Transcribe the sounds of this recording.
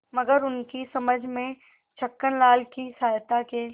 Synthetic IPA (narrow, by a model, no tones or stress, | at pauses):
mɐɡəɾʊnkisɐməd͡ʒʱmẽ | t͡ʃʰɐkːənlaːlkisaːjt̪ake